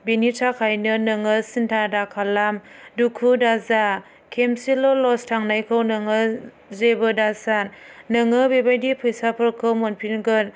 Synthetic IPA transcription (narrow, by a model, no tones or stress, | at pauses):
benitʰakʰajnɯnɯŋɯsintʰadakʰalamdukʰudaza | kʰemsilɔlɔstʰaŋnajkʰɯwnɯŋɯ | zebɯdasannɯŋɯbebajdipʰɯjsapʰɯɾkʰɯwmɔnpʰinɡɯn